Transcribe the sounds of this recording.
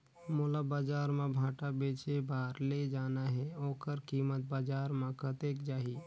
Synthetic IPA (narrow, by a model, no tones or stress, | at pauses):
molabaːd͡ʒaːɾmãbʱaːʈabeːt͡ʃebaːɾled͡ʒaːnaɦɛoːkəɾkiːmət̪̚baːd͡ʒaːɾmãkʰət̪eːkd͡ʒaːɦi